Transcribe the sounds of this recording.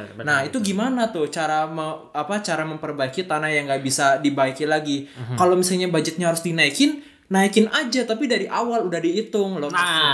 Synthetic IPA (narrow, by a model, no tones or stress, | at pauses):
nahit̪uɡimanat̪ʊht͡ʃaɾaməapat͡ʃaɾaməmpərbaikit̪anahjaŋɡaʔbisadibaikilaɡikalomisalɲabaɲd͡ʒɪt̪̚ɲaɦaɾʊsdinaikɪnː | aikɪnad͡ʒat̪apidaɾiʔawaludahdiːt̪ʊŋlɔ